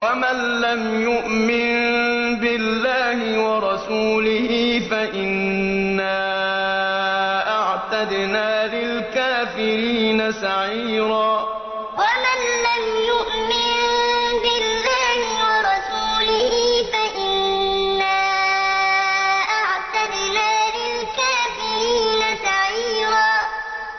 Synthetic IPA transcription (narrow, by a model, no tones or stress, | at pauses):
wamanlamjʊʔmɪnbɪlːaːhɪwɑɾˤɑsuːlɪhiːfaʔɪnːaː | ʔaʕt̪ad̪naːlɪlkaːfɪɾiːnasaʕiːɾaː | wamanlamjʊʔmɪnbɪlːaːhɪwɑɾˤɑsuːlɪhɪːfaʔɪnːaː | ʔaʕt̪ad̪naːlɪlkaːfɪɾiːnasaʕiːɾaː